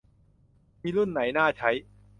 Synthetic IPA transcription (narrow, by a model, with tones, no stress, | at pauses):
miː˧lu˥˩nːa˩˦jnaː˥˩t͡ɕʰa˦˥j